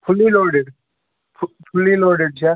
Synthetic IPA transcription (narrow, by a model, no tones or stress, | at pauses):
pʰʊliːloːɖeɖ | pʰpʰʊliːloːɖeɖ̚t͡ʃʰa